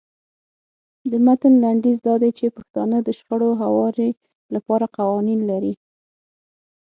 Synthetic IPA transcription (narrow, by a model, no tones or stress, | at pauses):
d̪əmat̪ənlaɳɖizd̪ɑd̪ajt͡ʃepaxt̪ɑnəd̪əʃxəɽoɦawɑɾi | lapɑɾaqawɑninlaɾi